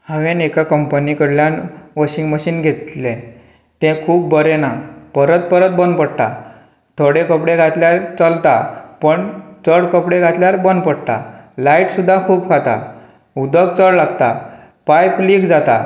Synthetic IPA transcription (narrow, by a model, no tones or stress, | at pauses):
hãʋẽnekakəmpənikəɽljãnʋəɕiŋɡməɕiːnɡʱet̪lẽ | t̪ɛ̃kʰuːpbəɾenapəɾət̪̚pəɾət̪̚bənpəɽt̪a̰ | t̪ʰoɽekəpɽeɡʱat̪ljaɾt͡səlt̪apəɳt͡səɽkəpɽẽɡʱat̪ljaɾbənpəɽt̪a̰laiʈsud̪ʱːãkʰuːpkʰat̪a̰ | ud̪əkt͡səɽlaɡt̪a̰ | pajpliɡd͡zat̪a̰